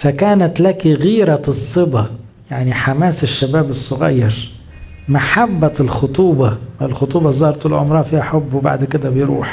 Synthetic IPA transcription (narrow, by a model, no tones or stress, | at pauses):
fækæːnæt̪lækiɣiːɾæsˤːɨbɑ | jaʕniħamaːsɪʃːabæːbɨsˤːʊɣæ̰jːɪɾ | maħabːælxʊt̪ˤuːbɑɪlxot̪ˤuːbɑzɑːɾˤt̪ʊlʕʊ̰mɾˤɑːfiːhaħobːwba̰ʕd̪kɪd̪æbɪjɾṵːħ